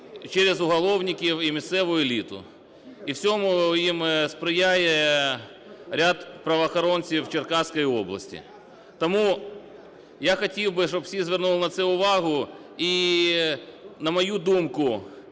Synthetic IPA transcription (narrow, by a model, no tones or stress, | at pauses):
t͡ʃɛɾezʊɦɐlˠɔwnʲɪkʲiwimʲissɛʋʊelʲit̪ʊ̰ | iwt͡sʲɔmʊjimspɾɪjajɛ | ɾʲad̪pɾɐʋɐɐxɔɾɔnʲt͡sʲiwt͡ʃerkɑsʲkɔjiɔblˠɐ̰sʲtʲḭ | t̪ɔmu | jaxɐtʲiwbɪʃɔbsʲizʋʲernulˠnɐt̪sɛʊʋɑɦʊi | nɐmɐjud̪umkʊ